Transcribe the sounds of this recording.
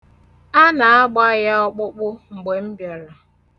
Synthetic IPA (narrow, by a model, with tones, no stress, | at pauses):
a˦na˨a˦ɡ͡ba˦ja˦ɔ˦k͡pʊ˦k͡pʊ˦ŋ͡m̩˨ɡ͡be˨m̩˦bja˨ɾa˨